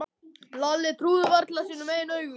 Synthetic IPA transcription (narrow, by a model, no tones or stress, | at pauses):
lalːɪt̪ʰɾuːðʏvaɾt̪lasiːnʏmeːjɪnœːɥɣʏ